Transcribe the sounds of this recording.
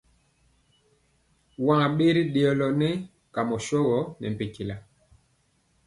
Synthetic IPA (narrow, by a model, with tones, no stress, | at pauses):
wãː˦˨ɓe˦ɾi˦ɗe˨ɔ˨lɔ˨nɛ˦ | ka˨mɔ˨ʃɔ˦ɣɔ˨˦nɛ̰˨m˨pe˨ki˨la˨